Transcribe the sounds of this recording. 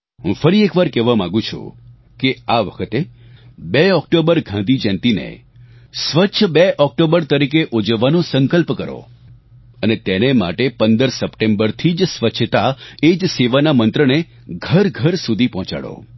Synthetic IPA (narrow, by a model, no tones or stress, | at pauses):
ɦũfəɾiekʋaɾkɛʋamãɡũt͡ʃʰṵ | keaʋəkʰət̪ebeɔk̚ʈobəɾɡʱãnd̪ʱid͡ʒɛ̃nt̪inḛ | sʋəːʃʰəbeʔɔk̚ʈobəɾt̪əɾikeʔod͡ʒəʋːanõsəŋkəlpkəɾo̰ | ənet̪enema̰ʈepənd̪əɾsəpʈembəɾt̪ʰid͡ʒsʋət͡ʃʰət̪aed͡ʒseʋanamənt̪ɾəne | ɡʱəɾɡʱəɾsud̪ʱipɔɦɔ̃t͡ʃa̰ɽo̰